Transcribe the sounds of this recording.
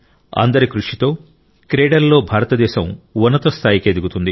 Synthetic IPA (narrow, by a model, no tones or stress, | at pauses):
ɐ̰nd̪ɐɾikɾuʂit̪o̞ː | kɾeːɖɐɾlo̞ːbʱaːɾɐt̪ɐd̪ɛːʃɐmʋunːɐt̪ɐst̪ʰaːjiked̪iɡut̪und̪i